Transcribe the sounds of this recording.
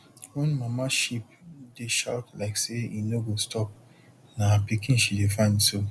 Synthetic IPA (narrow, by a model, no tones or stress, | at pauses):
wɛ̃nmãmaʃipdeʃa̰ltlaɪkseinoɡostʰɔp̚ | napikĩnʃidefãɪ̃ndso